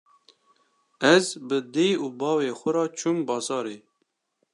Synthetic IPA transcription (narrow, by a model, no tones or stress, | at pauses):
ɛzbɨd̪eːjuːbɑːweːxʷʊɾɑːt͡ʃʰumbɑːzɑːɾeː